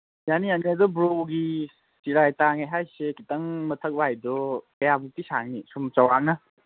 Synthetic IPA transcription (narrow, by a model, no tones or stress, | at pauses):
janijaniadɔbɾowɡi | siɾajtaŋajɦajsekitɐŋmɐtʰɐk̚bajdɔkɐjabutisaŋnisumt͡ʃawanɐ